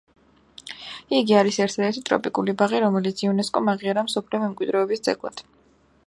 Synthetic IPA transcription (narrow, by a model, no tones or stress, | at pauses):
iɡiaɾisɛɾt̪ʰad̪ɛɾt̪ʰit̪ʼɾɔ̰pʼikʼulibaʁiɾɔmɛlit̪sʰiunɛskʼɔmaʁiaɾamsɔpʰliɔmɛmkʼwid̪ɾɛɔbisd̪zʼɛ̰ɡlˠa̰d̪̥